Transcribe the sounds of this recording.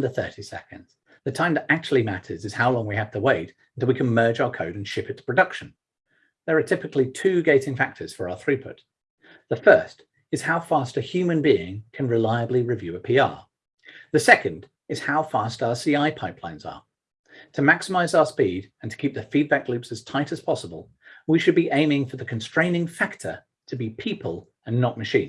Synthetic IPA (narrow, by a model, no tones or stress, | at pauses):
ðɨθɜ̰˞ɾisɛ̰kɨ̰̃ndz̥ | ðɨtʰãɪ̃mtəʔæk̚t͡ʃl̩ˠimæɾə̰˞zɨz̥haʊlɔ̃ŋwihɨv̥tʰəweɪt | ntʰɪlˠwikʰɨ̃nmɜ˞d͡ʒaʊə˞kʰoʊɾ̃n̩ʃɪpɨtʰpʰɹ̥ɨdʌkʃɨ̃n̩ | ðə˞ətʰɪpɨklitʰʉɡeɪɾɪ̃ŋfæk̚tʰə˞z̥fə˞aʊə˞θɹipʰʊ̰t̪̚ | ðəfɜ˞st | ɨz̥haʊfɑstɨhjʉmɨ̃nbiɪ̃ŋkʰɨ̃nɹɨlaɪɨbliɹɨvjʉəpʰiɑ̰ɹ | ðɨsɛkɨ̃nd | ɨz̥haʊfɑstaʊə˞siaɪpʰaɪpʰlã̰ɪ̃nzə̰ | tʰɨmæksəmaɪzaʊə˞spidɨ̃n̩tʰə̥kʰip̚ðɨfid̚bæk̚lʉpsɨz̥tʰaɪɾɨz̥pʰɑsəbə̰lˠ | wiʃɨd̚biʔẽɪ̃mɪ̃ŋfə˞ðɨkʰɨ̃n̩stɹ̥ẽɪ̃nɪ̃ŋfæktʰə̰˞ | tʰɨbipʰipʰəlˠ | ə̃nːəʔ̚mɨʃĩn